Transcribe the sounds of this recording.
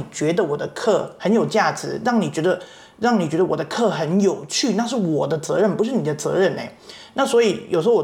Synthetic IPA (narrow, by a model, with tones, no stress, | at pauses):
t͡ɕɥɛ˧˥d̪ə˧wɔ˨˩d̪ə˦kʰɤ˥˩xə˧˥njo˨˩ʊt͡ɕja˥˩ʈ͡ʂɻ̩˧˥ɻɑ˥˩ŋni˨˩t͡ɕɥɛ˧˥d̪ə˧ | ɻɑ˥˩ŋni˨˩t͡ɕɥɛ˧˥d̪ə˧wɔ˨d̪ə˦kʰɤ˥˩xə˧˥njo˨˩ʊt͡ɕʰy˥˧na˥˧ʂ̬ɻ̩˥˩wɔ˨˩d̪ə˦t͡sɤ˧˥ɻə˥˩npu˧˥ʂ̬ɻ̩˥˩ni˨˩d̪ə˦t͡sɤ̰˧˥ɻə˥˩nḛ˧˦ɪ | na˥˩swɔ˧˥i˨˧˥jo̰˨ʊʂ̩˧˥wɔ˨˩